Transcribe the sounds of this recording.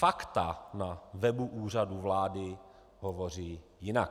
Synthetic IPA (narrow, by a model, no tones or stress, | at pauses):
fakt̪anavɛbuʔuːr̝aduvlaːdɪ | ɦovoriː | jɪnak̚